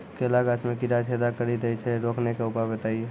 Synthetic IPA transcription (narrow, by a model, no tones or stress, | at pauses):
kelaɡat͡ʃmekiɾat͡ʃʰed̪akəɾit̪əjt͡ʃʰɛɾoknekeupabet̪aie